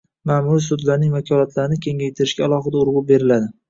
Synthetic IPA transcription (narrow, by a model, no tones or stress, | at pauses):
mamuɾisʊd̪laɾnɪŋvakʰɒlat̪ʰlaɾɪnɪkʲʰe̞ŋʲajt̪ʰɪɾɪʃɡʲaːlˠɒχɨd̪aʊɾʁʊbe̞ɾɪlad̪ɪ